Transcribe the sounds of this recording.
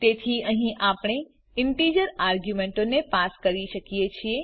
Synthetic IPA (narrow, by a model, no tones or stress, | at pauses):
t̪et̪ʰiəɦĩʔapəɽ̃e | ɪɳʈid͡ʒəɾaɾɡjumẽɳʈonepaskəɾiʃəkijet͡ʃʰie